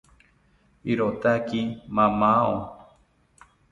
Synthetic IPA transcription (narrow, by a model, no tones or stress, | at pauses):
iɾot̪akimãmãõ